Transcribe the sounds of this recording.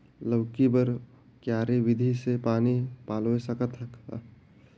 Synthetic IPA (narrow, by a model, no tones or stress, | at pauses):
ləʊkibəɾ | kjaːɾeʋɪd̪ʱisepaːnipaːloesəkət̪ʰək